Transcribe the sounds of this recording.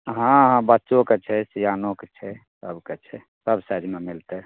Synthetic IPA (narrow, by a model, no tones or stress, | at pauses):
ɦãɦãbətːʃoket͡ʃʰɛsijanoket͡ʃʰɛsəbket͡ʃʰɛ | səbsad̪ʱimemilt̪ɛ